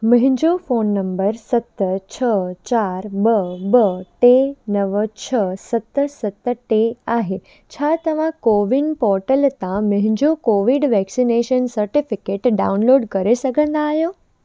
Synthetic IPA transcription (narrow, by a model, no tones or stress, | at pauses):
mɐ̃ɦɪ̃ɲd͡ʑofoːnːɐ̃mbəɾsɐt̪t͡ɕʰət͡ɕaːɾbəbəʈenɐʋt͡ɕʰəsɐt̪əsɐt̪ʈeaːɦe | t͡ɕʰaːt̪ɐʋ̤ãkoːʋɪnpɔːɾʈəlt̪ãmɐ̃ɦɪ̃ɲd͡ʑokoːʋiɖʋɛːksineːʃənsɐɾʈɪfɪkeːʈɖaːʊnloːɖkɐɾesɐɡʱə̃nd̪aːɦijoː